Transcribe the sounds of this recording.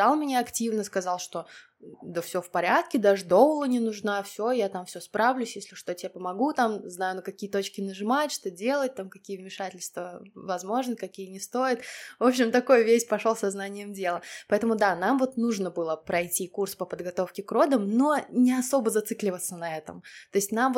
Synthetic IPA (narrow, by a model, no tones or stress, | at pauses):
d̪alˠmʲɪnʲeɐktʲivnəskɐzɑlˠʂt̪o̞ | d̪əfsʲofpɐɾʲat̪kʲɪd̪aʐɨd̪o̞vəlˠənʲɪnʊʐnafsʲojat̪amfsʲospɾavlʲʉsʲjesʲlʲɪʊʂt̪otʲɪapəmɐɡut̪amznajʊnəkɐkʲijət̪o̞t͡ɕkʲɪnəʐɨmatʲʂt̪o̞dʲe̞lˠət̚ʲt̪amkɐkʲijəvmʲɪʂatʲɪlʲst̪vəvɐzmo̞ʐnɨkɐkʲijənʲɪst̪o̞jɪt̪vo̞pɕɪmt̪ɐko̞jʊvʲesʲpɐʂolˠsɐznanʲɪjəmdʲe̞lˠəpɐɛt̪əmʊd̪anamvo̞t̪nuʐnəbɨlˠəpɾɐjtʲikurspəpəd̪ɡɐt̪o̞fkʲɪkɾo̞d̪əmno̞nʲɪɐso̞bəzɐt̪sɨklʲɪvət̪sənɐɛt̪ə̰mt̪o̞ɪsʲtʲnamv